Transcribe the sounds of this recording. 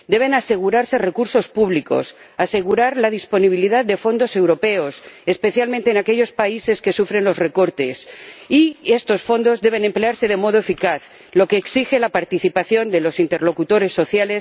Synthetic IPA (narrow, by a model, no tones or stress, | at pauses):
d̪e̞β̞e̞nase̞ɣ̞uɾaɾse̞re̞kuɾso̞spuβliko̞̰s | ase̞ɣ̞uɾaɾlað̞ispo̞niβ̞iliðaðd̪e̞fo̞nd̪o̞se̞wɾo̞pe̞o̞se̞spe̞θjalmẽnt̪eːnake̞ʎo̞spaise̞ske̞sufɾe̞nlo̞zre̞ko̞ɾt̪e̞sie̞st̪o̞sfo̞nd̪o̞zðe̞β̞e̞nẽ̞mpleaɾse̞ð̞emo̞ðoefikaθ | lo̞keːksixe̞lapaɾt̪iθipaθjo̞nd̪e̞lo̞sint̪e̞ɾlo̞kut̪o̞ɾe̞sːo̞θjale̞s